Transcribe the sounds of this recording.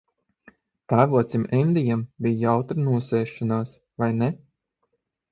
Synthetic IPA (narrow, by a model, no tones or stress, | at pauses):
t̪aːvuɔt̪sʲimɛnd̪ʲijambʲijjawt̪ɾɨnuɔsɛːʃanaːs | vajnɛ